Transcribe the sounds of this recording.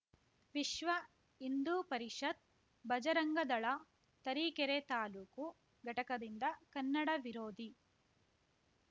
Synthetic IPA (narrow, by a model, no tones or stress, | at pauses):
ʋiʃʋɐ | ind̪uːpɐɾiʂɐd̪̚ | bɐd͡ʒɐɾɐŋɡɐd̪ɐɭɐ | t̪ɐɾiːkɛɾet̪aːluːku | ɡɐʈɐkɐd̪ind̪ɐkɐnːɐɽɐʋiɾoːd̪i